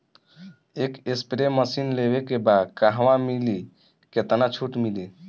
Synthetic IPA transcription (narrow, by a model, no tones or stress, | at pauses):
ekespɾeməsinleβekebad̪kaɦwãmili | ket̪nat͡ʃʰuʈmili